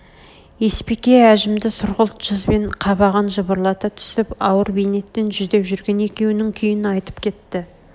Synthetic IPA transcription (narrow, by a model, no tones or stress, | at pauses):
je̞spe̞kʲe̞æʒɪmd̪ɪsʊɾʁəlˠt̪ʒ̥əzbe̞ɴqʰɑβɑʁɑnʒəbəɾlˠɑt̪ɑt̪ʰʏ̥sɪpɑwəɾbejne̞t̪ːe̞nʒʏzd̪e̞pʒʏɾɡʲe̞ne̞kʲe̞wnɪŋkʲʰʏjɪnɑjt̪ə̥pkʲʰe̞t̪ːɪ